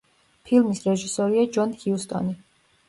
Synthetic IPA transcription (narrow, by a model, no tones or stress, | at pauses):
pʰilˠmisɾɛʒisɔɾiad͡ʒɔnhiust̪ʼɔ̰ni